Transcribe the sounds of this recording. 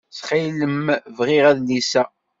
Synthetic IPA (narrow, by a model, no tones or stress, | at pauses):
sχiləmvʁɪʁæðlisæ